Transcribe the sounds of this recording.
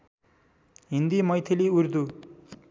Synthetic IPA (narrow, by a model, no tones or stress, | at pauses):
ɦind̪imʌjt̪ʰeliuɾd̪u